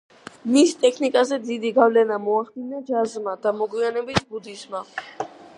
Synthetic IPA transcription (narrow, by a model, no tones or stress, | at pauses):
mist̪ʼɛkʰnikʼazɛd̪id̪iɡavlɛnamɔaχd̪inad͡ʒazmad̪amɔɡwianɛbisbud̪isma